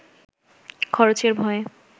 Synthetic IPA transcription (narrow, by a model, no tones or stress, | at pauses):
kʰɔɾot͡ɕeɾbʱɔe